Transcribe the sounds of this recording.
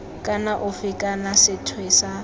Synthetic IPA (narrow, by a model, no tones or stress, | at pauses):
kʼanaʔʊfɪkʼanasɪtʰwesa